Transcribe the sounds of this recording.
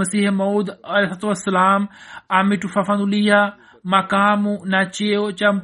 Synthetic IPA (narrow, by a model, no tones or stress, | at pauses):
ɐsiːhemoːd̪ɐlesat̪uwɐsːɐlaːmamiʈufɐfɐnulija | mɐkaːmunat͡ʃeot͡ʃɐm